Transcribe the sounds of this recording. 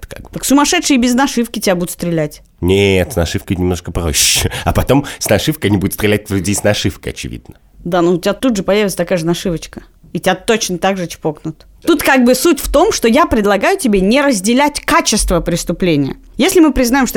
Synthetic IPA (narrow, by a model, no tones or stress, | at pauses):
t̪ka̰ɡ̚bt̪əksʊmɐʂɛt̪ʂɨjəbʲɪznɐʂɨfkʲɪtʲɪbʲabud̪ʊt̪st̪ɾʲɪlʲætʲ | nʲet̪snɐʂɨfkənʲɪmnoʂkəpɾo̰ɕːɪɐ̰pɐt̪o̞msnɐʂɨfkəɐnʲibudʲɪt̪st̪ɾʲɪlʲæt̚ʲvlʲʉdʲesnɐʂɨfkəɐ̰t͡ɕɪ̰vʲḭd̪nə | d̪anoʊtʲɪat̪ud̪ʐɨpɐjævʲt̪sə̥t̪ɐkajəʐɨnɐʂɨvət͡ɕkə̥ | itʲɪat̪ot͡ɕnət̪aɡʐɨt͡ɕɪ̥poknʊt̪ | t̪ut̪kaɡ̚bɨsutʲft̪o̞mʂt̪o̞japɾʲɪd̪lˠɐɡajʊtʲɪbʲenʲɪɾəzʲdʲɪlʲætʲkat͡ɕɪst̪vəpɾʲɪst̪ʊplʲenʲɪjə̰ | jesʲlʲɪmɨpɾʲɪznajɪmʂt̪o